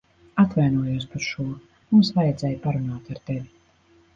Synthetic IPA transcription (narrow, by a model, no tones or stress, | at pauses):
at̪vajnuɔjuɔspaɾʃuɔ | mumsvajɛd̪zɛːjpaɾunaːt̪aɾt̪evʲi